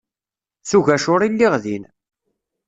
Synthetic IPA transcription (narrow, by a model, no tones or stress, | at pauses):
θuʝæʃʊɾˤilːiʁðin